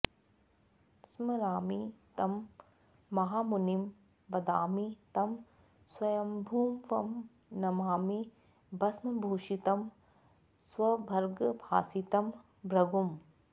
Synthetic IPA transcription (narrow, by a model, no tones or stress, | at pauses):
smɐɾaːmit̪ɐmː | ɐɦaːmunim | ʋɐd̪aːmit̪ɐm | swɐjɐmbʱuːmʋɐm | nɐmaːmi | bɐsmɐbʱuːʃit̪ɐm | swɐbʱɐɾɡbʱaːsit̪ɐm | bɾɐɡum